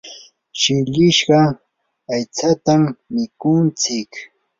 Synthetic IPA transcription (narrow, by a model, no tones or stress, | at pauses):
ʃɪʎɪʃɢɑ | ajt͡sat̪amːɪkʊnt͡sɪk